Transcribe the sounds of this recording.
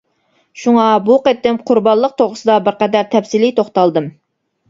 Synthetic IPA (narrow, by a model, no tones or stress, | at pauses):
ʃuŋɑbuqet̪ːɪmqʰʊɾbɑnlˠəq̚t̪ʰoʁʊsɨd̪ɑbɪɾqɛd̪æɾt̪ʰɛfsilit̪ʰoχt̪ɑlˠd̪ɨm